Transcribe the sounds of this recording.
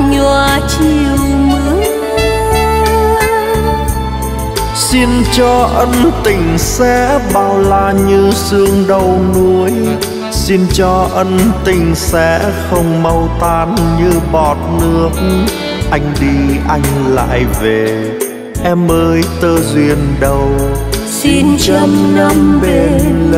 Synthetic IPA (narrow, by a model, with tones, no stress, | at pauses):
ɲu˧˩ət͡ɕi˧˩əwmɨ˨˦j | si˧nt͡ɕɔ˧ʔə˧nt̪ï˨˩ŋ̟sɛ̰˧˥ɓaː˧˩wlaː˧ɲɨ˧sɨ˧əŋɗə˧wnu˨˧˦əj | si˧nt͡ɕɔ˧ʔə˧nt̪ï˨˩ŋ̟sɛ̰˧˥xə˧wŋ͡mmə˧wt̪aː˧nɲɨ˧ɓɔ˨˩t̚nɨ̰˧˥ək̚ | ʔa˧jŋ̟ɗi˧ʔa˧jŋ̟la̰ː˧˨jve˨˩ | ʔɛ˧mʔəː˧˦jt̪əː˧zwi˧˩ənɗə˧˩w | si˧nt͡ɕə˧mnə˧mɓe˨˩n